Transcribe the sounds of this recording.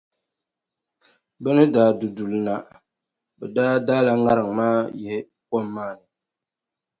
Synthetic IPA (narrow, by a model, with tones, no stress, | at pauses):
bɛ˦nɨ˦daː˨du˨du˨lna˨ | bɛ˨daː˦daː˦la˨ŋa˦ɾɨ˨ŋ˨maː˦jɛ˨hɪ˦ | kɔ˦mː˦aː˦˨nɨ˨